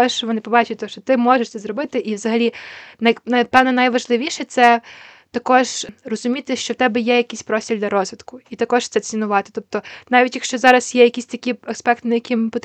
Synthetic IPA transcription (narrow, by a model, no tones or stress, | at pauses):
ɔʃʋɔnɪpɔbɑt͡ʃʊt̚ʲt̪ɔʃt͡ʃɔt̪ɪmɔʒeʃt̪sɛzɾɔbɪt̪ɪʔiʋzɐɦɐlʲinɐjnɐpɛwnɛnɐjʋɐʒlˠɪʋʲiʃɛt̪sɛ | t̪ɐkɔʒrɔzʊmʲit̪ɪʃt͡ʃɔwt̪ɛbɛjɛjɐkʲisʲpɾɔsʲtʲilʲd̪ʲɐɾɔzʋʲɪd̪kʊit̪ɐkɔʃt̪ɛt͡sʲinʊʋɑt̪ɪ̥t̪ɔp̚t̪ɔnɑʋʲitʲjɐkʃt͡ʃɔzɑɾɐsjɛjɐkʲisʲt̪ɐkʲiɐkspɛkt̪nɐjɐkʲɪmpɔt̪